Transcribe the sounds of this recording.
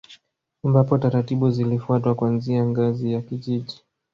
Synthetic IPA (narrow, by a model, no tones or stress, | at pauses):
ambapɔtaɾatiɓuzilifuatwakwanziaŋɡazijakiʄiʄi